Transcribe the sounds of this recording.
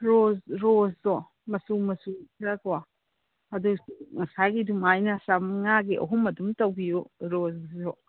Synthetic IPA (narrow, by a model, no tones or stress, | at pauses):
ɾozɾozdɔ | mɐsumɐsukʰɾakwa | ɐdusuŋɐsajɡidumajnɐsamŋaɡiʔɐ̰ɦumɐdumtɐwɡijuɾozɾɔ